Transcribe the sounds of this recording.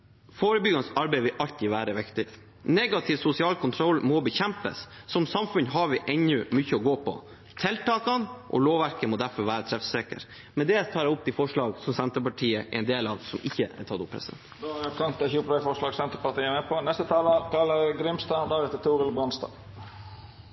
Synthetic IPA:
foːɾəbʏɡɑnsɑɾbeɪʋɪlʔɑlt̪iːʋæːɾəʋɪkt̪ɪ | nɛɡɑt̪ʰɪʋsʊsɪɑːlkʰʊnt̪ʰɾɔlːmɔbəçɛmpə̰sːɔmsɑmfʉnɦɑɾʋɪʔɛnʉmʏçəɔɡoːpʰɔ̰ | t̪ʰɛlt̪ɑːkɑnʔɔ̰loːʋʋæɾkəmɔd̪æɾfɔɾʋæːɾət̪ʰɾɛfseːkə̰ɾ | mɛnd̪ɛt̪ʰɑːɾɛʊp̚ːt̪ɪfɔʂɭɑːɡsɔmsɛnt̪əpɑʈʰiːəʔɛ̰ɪnd̪eːlɑʋsɔmɪçːəɛ̰t̪ʰɑt̪ʊpʰːɾɛ̰sd̪ɛ̰nt̪d̪oɛkʰɑnt̪ːɛçuːplɑfɔʂlɑːɡsɛnt̪əpɑt̪iːəmɛpʰɔnɛst̪ət̪ʰɑːlɑkɑlːəɾɡɾɪmst̪ɑːd̪æɾɛt̪ət̪ʰuːʁəlbʁɑnst̪ɑ̰ː

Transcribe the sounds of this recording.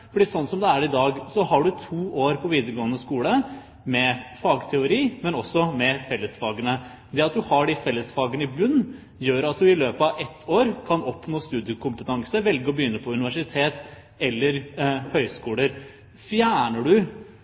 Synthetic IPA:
fɔɖiːsɔnːsɔmd̪ɛæɾɪd̪ɑːɡsɔɦɑɖʉt̪ʰuːʔoːɾpʰɔʋiːd̪əɾɡoːənəskuːlə | mɛfɑːɡt̪ʰɛʊɾiːmɛnɔsːɔmɛfɛlːəsfɑːɡənə | d̪ɛɑt̪̚d̪ʉhɑɖɪfɛlːəsfɑːɡənəɪbʉnː | jøːɾɑt̪̚d̪ʉɪløːpəɑʋɛt̪ʰːoːɾkʰɑnɔpnoːst̪ʉːd̪jɪəkʊmpət̪ʰɑŋsəʋɛlɡəɾɔbəjʏnːəpʰɔʉnɪʋæʂɪt̪ʰeːt̪ | ɛlːəɾhœʏskuːləɾ | fjæːɳəɖʉ

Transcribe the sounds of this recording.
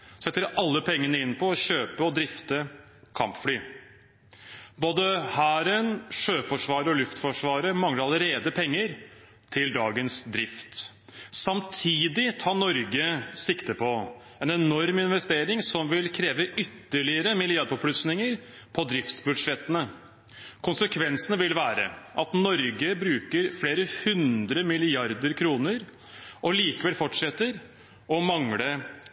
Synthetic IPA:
sɛt̪ːəɾɑlːəpʰɛŋːənəɪnːpʰɔɔɕøːpəɔd̪ɾɪft̪ə | kʰɑ̰mpflyː | boːd̪əhæːɾənʂøːfɔʂʋɑːɾəɔlʉft̪fɔʂʋɑːɾəmɑŋləɾɑləɾeːd̪əpʰɛŋːəɾ | t̪ʰɪld̪ɑːɡənsd̪ɾɪft̪ | sɑmt̪ʰiːd̪ɪt̪ʰɑːɳɔɾɡəsɪkt̪əpʰɔ | ɛnɛnɔɾmɪnʋɛst̪eːɾɪŋsɔmʋɪlkʰɾeːʋəʔʏt̪ːəɭɪəɾəmɪlɪɑd̪pɔpʰlʉsnɪŋəɾ | pʰɔd̪ɾɪft̪sbʉd̪ʂɛt̪ːənə | kʰʊnsəkʰʋɛnsənəʋɪlʋæːɾə̰ʔɑt̪nɔɾɡəbɾʉːkəɾfleːɾəhʉnd̪ɾəmɪlɪɑɾd̪əɾkʰɾuːnəɾ | ʔɔliːkəʋɛlfɔʈʂɛt̪ːəɾ | ɔmɑŋlə

